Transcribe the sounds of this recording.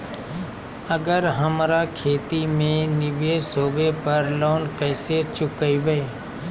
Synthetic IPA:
əɡəɾɦəmɾaːkʰeːt̪imẽnɪbesɦoːbepəɾloːnkəɪset͡ʃʊkəiʋee

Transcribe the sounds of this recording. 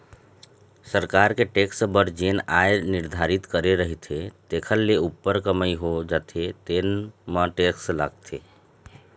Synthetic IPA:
səɾkaːɾkeʈeːksbəɾd͡ʒeːnaːenɪɾd̪ʱaːɾɪt̪kəɾeɾəɦet̪ʰet̪eːkʰəlːeupːəɾkəməiɦod͡ʒaːt̪ʰet̪eːnmãʈeːksla̰ːɡ̚t̪ʰeː

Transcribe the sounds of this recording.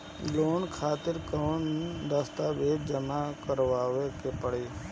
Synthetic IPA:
loːnkʰaːt̪ɪɾkoːnd̪əst̪aːʋeːd̪̚d͡ʒəmakəɾʋaːʋekepəɽeː

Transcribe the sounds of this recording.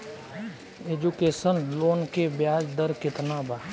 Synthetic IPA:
eːd͡ʒukeːsənloːnkebjaːd͡ʒd̪əɾkɪt̪nabaː

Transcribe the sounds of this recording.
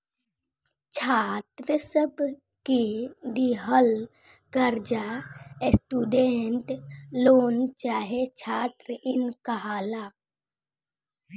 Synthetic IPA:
t͡ʃʰaːt̪ɾəsəb | kiɖ̪iɦəl | kəɾd͡ʒaesʈuːɖeɳʈloːnt͡ʃaːɦet͡ʃʰaːt̪ɾɪnkaɦaːlaː

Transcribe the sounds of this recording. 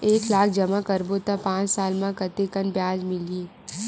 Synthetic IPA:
eːklaːk̚ʰd͡ʒɐmakɐɾbot̪apãːt͡ʃsaːlmãkət̪ekənbjaːd͡ʒmɪlieː

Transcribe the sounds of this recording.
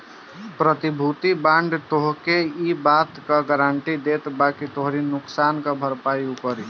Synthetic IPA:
pɾət̪ibʱut̪ibãːɳɖt̪oɦkeibaːt̪kaɡəɾaɳʈid̪eːt̪baːkit̪oɦɾinʊksaːnkabʱəɾpaːjupəɾi

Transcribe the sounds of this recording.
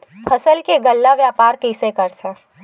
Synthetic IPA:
pʰɐsəlkeɡɐlːaʋjaːpaːɾkɪɪsekɐɾt̪ʰeː

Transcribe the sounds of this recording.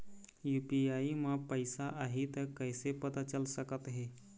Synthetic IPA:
jupiaimapəjsaʔaɦit̪əɾkajsepət̪at͡ɕəlsəkət̪ɦe

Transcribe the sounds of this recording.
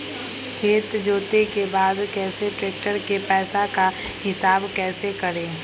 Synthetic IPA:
kʰeːt̪d͡ʒoːt̪ekebaːd̪kɛːseʈɾeːk̚ʈəɾkepɛːsakahɪsaːbkɛːsekɐɾẽː

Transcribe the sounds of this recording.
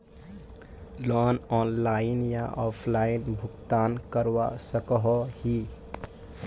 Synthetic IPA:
lɔnɔnlaɪnjaʔɔpʰlaɪnbʱʊkt̪aːnkəɾwasəkəɦɔhi

